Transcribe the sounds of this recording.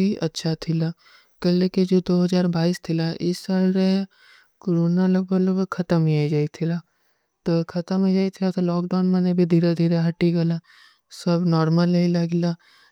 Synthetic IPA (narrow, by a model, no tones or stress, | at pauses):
iʔɐtːʃʰat̪ʰɪla | kɐlleked͡ʒoːd̪oːɦɐzaːɾbaːiːst̪ʰɪlaʔɪsːaːlɾe | koɾoːnaləbələbkʰɐt̪əmiad͡ʒaːit̪ʰɪlaː | t̪okʰɐt̪əmed͡ʒaːit̪ʰɪlat̪olɔːkɖaːnmɐnebʱid̪ʱiːɾad̪ʱiːɾaɦɐʈiɡɐla | sɐbnɔːɾməlɐilɐɡla